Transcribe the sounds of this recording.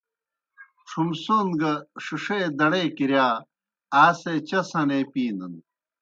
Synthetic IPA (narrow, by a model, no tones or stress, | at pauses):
ʈ͡ʂʰumsonɡɐʂiʂeːd̪ɐɽeːkiɾjaː | aːset͡ɕɐsɐneːpiːnɐn